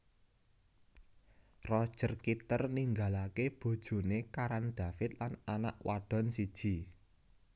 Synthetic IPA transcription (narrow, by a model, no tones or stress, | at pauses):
rɔd̥ʒ̥ərkit̪ərniŋɡalakeb̥o̤d̥ʒ̥o̤nekaɾanɖ̪̥a̤fɪt̪lanana̰ʔwaɖ̥ɔ̤nsid̥ʒ̥i